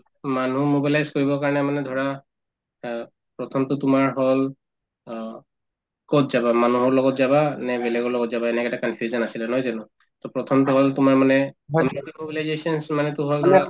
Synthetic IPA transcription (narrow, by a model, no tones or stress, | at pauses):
manumobilajzkoɹibɔkaɹɔnɛmanɛdʱɔɹa | pɹɔtʰɔmtʊtʊmaɹɦɔl | kotzabamanuɦɔɹlɔɡɔtzabanɛbɛlɛɡɔɹlɔɡɔtzabaɛnɛkɛtakɔnpʰjuzɔnasilɛnɔjzanʊ | tɔpɹɔtʰɔmtʊɦɔltʊmaɹmanɛɔnitimobilajzesɔnsmanɛtʊɦɔldʱɔɹa